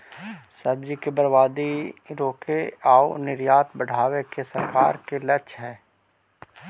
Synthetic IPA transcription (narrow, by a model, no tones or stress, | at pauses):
sɐbd͡ʒikebɐɾbaːd̪iɾoːkʰeaːonɪɾjaːt̪bəɽ̤ʱaːwekesɐɾka̰ːɾkelɐt͡ʃɦɛː